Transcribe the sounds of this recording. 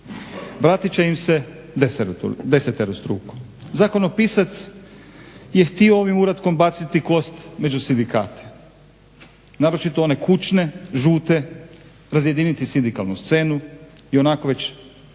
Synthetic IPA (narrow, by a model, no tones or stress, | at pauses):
ʋɾaːt̪it͡ɕeimse̞ | d̪eseɾd̪eset̪eɾust̪ɾṵːko̥ | zako̞nopiːsat̪s | je̞xt̪ioo̞ʋimuɾat̪ko̞mbat̪sit̪iko̞st̪me̞d͡ʒusind̪ika̰ːt̪ʰe̥ | naːɾo̞t͡ʃit̪oone̞kut͡ʃne̞ʒuːt̪e̞ | ɾazje̞d̪iːnit̪isind̪ikalnust̪se̞ːnu | io̞nako̞ʋe̞t͡ɕ